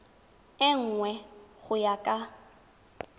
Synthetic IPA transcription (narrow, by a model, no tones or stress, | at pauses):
ɪŋ̩ŋwɛɣʊjakʼa